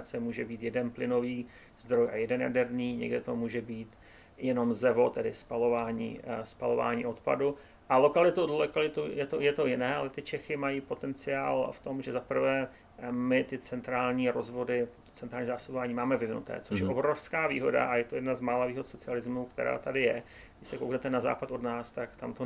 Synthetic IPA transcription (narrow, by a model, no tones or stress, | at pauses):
t͡sɛmuːʒɛbiːt̪jɛdɛnplɪno̞viː | zd̪ɾojʔajɛdɛnja̰dɛɾniːɲɛ̰ɡdɪt̪omuːʒɛbiːt̪ | jɛno̞mzɛvo̞t̪ɛdɪspalo̞vaːɲḭːspalo̞va̰ːɲḭːʔo̞t̪pa̰du | ʔalokalɪt̪uodlokalɪt̪ujɛt̪ojɛt̪o̞jɪnɛːʔalɛt̪ɪt͡ʃɛxɪmajiːpo̞t̪ɛnt͡sɪaːlft̪o̞mʒɛzapr̩vɛː | mɪt̪ɪt͡sɛnt̪ɾaːlɲiːɾozvo̞dɪpot̪o̥t͡ssɛnɾaːlɲizaːsobovaːɲiːmaːmɛvɪvnṵt̪ɛ̰ːt͡soʃjɛʔobɾo̞fskaːvḭːɦo̞da̰ʔajɛt̪ojɛdnazmaːlaviːɦot̪so̞t͡sɪalɪzmukt̪ɛ̰ɾa̰ːt̪adɪjɛ | ɡdɪʃsɛkowknɛt̪ɛnaza̰ːpat̪odnaːst̪akt̪amt̪o